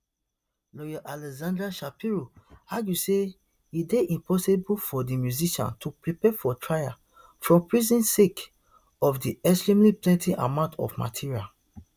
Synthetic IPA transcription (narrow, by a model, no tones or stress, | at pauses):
lɔjaʔalɛzãndɹaʃapiɹoaɡjuse | ideʔĩmpɔsebulfɔdimjuziʃã̰ntʰupɹipɛfɔtʰɹaja̰ | fɹɔ̃mpɹizĩnsek | ɔfdiɛsɹĩmliplɛ̃ntĩʔa̰mãʊ̃ntʰɔ̰fma̰tʰiɹial